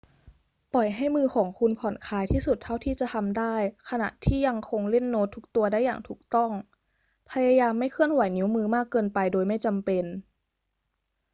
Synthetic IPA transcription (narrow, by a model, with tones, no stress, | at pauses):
pɔ˨˩jɦa˥˩jmɯː˧xʰɔː˩˦ŋkʰu˧npʰɔ˨˩˦nkʰaː˧jt̪ʰiː˥˩su˨˩t̪ʰːa˥˩wt̪ʰiː˥˩t͡ɕa˨˩˨t̪ʰa˧mdaː˥˩jkʰa˧na̰˨˩ʔt̪ʰiː˥˩ja˧ŋkʰo˧ŋle˥˩nːoː˦˥t̪ʰːuː˦˥k̚t̪u˧ɐda˥˩jːaː˨˩ŋt̪ʰuː˨˩k̚t̪ɔ˥˩ŋ | pʰa˧ja˧jaː˧mːa˥˩jkʰɯ˥˩ənwa˨˩˦jni˧˦˥wmɯː˧maː˥˩kːɤː˧npa˧jdoː˧jma˥˩jt͡ɕa˧mpe˧n